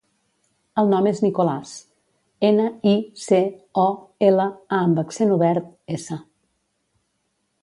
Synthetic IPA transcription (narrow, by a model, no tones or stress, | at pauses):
əlˠnɔmeznikolas | enəiseɔeləaəmbəksenuβɛɾt̪̚esə